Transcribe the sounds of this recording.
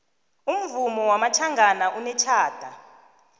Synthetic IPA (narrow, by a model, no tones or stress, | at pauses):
um̩vumɔwamatʰaŋɡʱanaʔunɛt͡ʃʰaːd̥ʱa